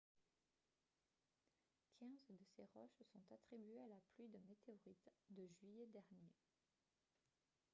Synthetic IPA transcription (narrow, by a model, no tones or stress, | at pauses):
kʲʰɛ̃zd̪əseʁɔʃsɔ̃t̪at̪χibɥealaplɥid̪əmet̪eɔʁit̪d̪əʒɥijed̪ɛʁnje